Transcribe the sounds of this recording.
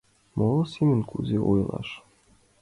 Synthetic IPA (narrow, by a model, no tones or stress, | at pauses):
molˠɤ̆sʲimʲɘnkʰuzʲeʔujlˠɑ̰ʂ